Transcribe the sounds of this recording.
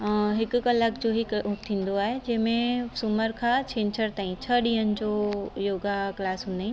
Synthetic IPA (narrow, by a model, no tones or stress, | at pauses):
ɦɪkkɐləkd͡ʑoːɦiʊt̪ʰĩːn̆d̪oaːɦed͡ʑɐ̃ɦɪ̃mẽsʊməɾkʰãːt͡ɕʰẽːɲt͡ɕʰəɾt̪aːĩt͡ɕʰəɗĩːɦənɪ̆d͡ʑoːjoːɡaklaːsɦʊ̃ːnd̪aːĩ